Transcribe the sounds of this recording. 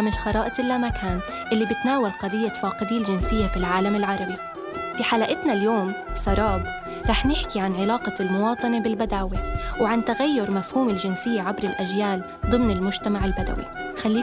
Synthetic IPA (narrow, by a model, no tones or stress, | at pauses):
amɪʃxɑɾˤɑːʔɪt̪ʔɪlːamakʰaːn | ʔɪlːibɪt̪naːwalqɑd̪ˤɪjːafɑːqɨd̪iːlʒɪnsɪjːafilʕaːlamɪlʕɑɾˤɑbi | fiħalaʔɪt̪naljoːmsˤɑɾˤɑːb | ɾˤɑːħnɪħkiʕanʕɪlaːqɑlmʊwɑːt̪ˤɨnebɪlbad̪aːwiwʕant̪aɣajːʊɾˤmafhuːmɪlʒɪnsɪjːaʕabɾˤɪlʔaʒjaːl | d̪ˤɨmnɪlmʊʒt̪amaʕɪlbad̪a̰wḭxalːiː